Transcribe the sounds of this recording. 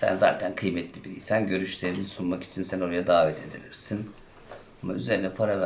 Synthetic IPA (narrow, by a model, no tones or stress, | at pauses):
sæ̰nza̰ːt̪ʰænkʰɯjmɛt̪lʲibiɾʲḭsænɟø̞ɾyʃlʲe̞ɾinisunmaki̥t͡ʃʰinsæno̞ɾajad̪aːvɛt̪ʰe̞d̪ḭɾiɾsin | amayze̞ɾinɛpʰaɾav